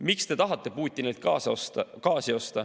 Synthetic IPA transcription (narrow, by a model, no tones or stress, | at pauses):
mikst̪e̞t̪ɑɦɑt̪ˑːe̞puːt̪ʲːinejlt̪̚kɑːsost̪ɑkɑːsio̞st̪ɑ